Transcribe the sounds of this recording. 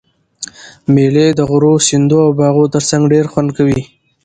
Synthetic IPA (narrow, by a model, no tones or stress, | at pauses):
meled̪əɣʊɾosɪnd̪oawbɑɣot̪əɾsaŋɡɖeɾxwand̪̚kawi